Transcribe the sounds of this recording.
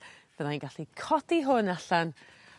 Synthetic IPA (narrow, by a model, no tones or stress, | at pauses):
v̥ənajnɡaɬikʰɔdiɦʊnaɬan